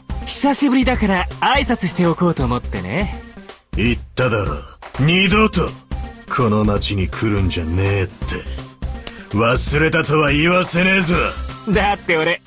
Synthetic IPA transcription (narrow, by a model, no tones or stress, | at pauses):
çi̥saɕibɯ̟ɾʲid̪akaɾaaisat͡sɨɕi̥t̪e̞o̞ko̞ːt̪o̞ːmo̞t̪ːe̞̰ne̞ | it̪ːad̪aɾo̰ɲ̟ʲid̪ot̪okʰo̞no̞mat͡ɕiɲ̟ikʰɯ̟ɾɯ̟̃nd͡ʑaneːt̪ʰːe̞̰ | βasɨɾe̞t̪at̪o̞βaiːβase̞nezɨβad̪at̪ːe̞oɾe̞